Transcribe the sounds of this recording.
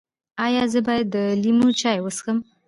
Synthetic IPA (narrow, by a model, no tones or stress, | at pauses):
ɑjɑzəbɑjad̪ːəlimut͡ʃɑjwəsxəm